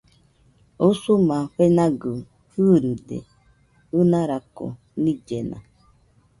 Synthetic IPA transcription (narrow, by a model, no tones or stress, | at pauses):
usumãɸenãɡɨ | hɨɾɨdḛ | unãɾako̰ | nĩd͡ʒenã̰